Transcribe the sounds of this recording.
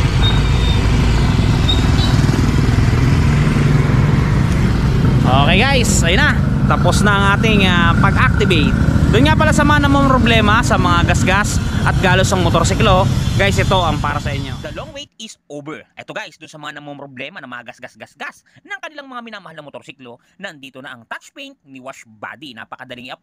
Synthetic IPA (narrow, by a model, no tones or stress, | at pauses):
ʔoːkɛjɡajsʔɐjʊnɐ | t̪ɐpo̞snɐʔɐŋʔaːt̪ɪŋɐpɐɡʔak̚t̪ɪbejt̪̚d̪ʊnŋapɐlasɐmɐŋanɐmompɾoblɛːmɐsɐmɐŋaɡɐsɡasʔɐt̪̚ɡaːlosɐŋmot̪oɾsiklo̞ɡajsʔɪt̪o̞ʔɐŋpaːɾɐsɐʔɪɲjo̞d̪ɐloŋwejt̪̚ɪsʔoːbɛɹʔɛt̪o̞ɡajsd̪ʊnsɐmɐŋanɐmompɾoblɛːmɐnɐŋmɐŋaɡɐsɐsɡɐsɡas | nɐŋkɐnɪlaŋmɐŋamɪnamɐhalnɐmot̪o̞ɾsiklo̞nɐɐnd̪iːt̪onɐʔɐŋt̪at͡ʃpent̪̚nɪwaʃba̰ːd̪ina̰ːpɐkɐd̪ɐlɪŋʔɐp